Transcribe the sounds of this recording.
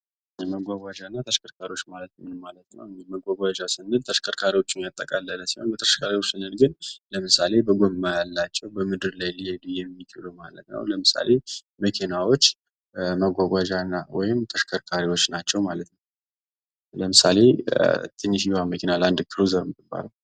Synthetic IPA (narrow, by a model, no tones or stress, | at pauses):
məɡʷaɡʷad͡ʒanːat̪ʰəʃkʰəɾkʰaɾiwo̞t͡ʃːmalət̪mnmalət̪nə̰wməɡʷaɡʷad͡ʒasɨnːɨlt̪ʰəʃkʰəɾkʰaɾiwo̞t͡ʃːɪnjat̪ʼːəkʼalːələsiho̰nbət̪ʰəʃkʰaɾiwo̞t͡ʃːsɨnɨlɡɨnləmɨsale̞bəɡomːajalːat͡ʃːɛwbəmɨd̪ɨɾlajlijed̪ɨjɛmːikʰʼilumalə̰t̪nə̰wləmɨsa̰le̞ | məkʰenawo̞t͡ʃː | məɡʷaɡʷad͡ʒanːawɔjɪmt̪ʰəʃkʰəɾkʰaɾiwo̞t͡ʃːnat͡ʃːɛwmalət̪nəw | ləmɨsale̞t̪ʰʼɨnːiʃiwaməkʰenaland̪kʰɨɾuzəɾɨmmɨbːa̰ləw